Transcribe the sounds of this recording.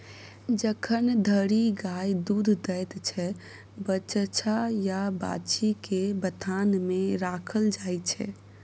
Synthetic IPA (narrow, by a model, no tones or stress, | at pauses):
d͡ʒəkʰənd̪ʱəɾiɡajd̪ud̪ʱd̪əjt̪t͡ʃʰɛ | bət͡ʃt͡ʃʰajaba̰t͡ʃikebət̪ʰanmeɾakʰəld͡ʒajt͡ʃʰɛ̰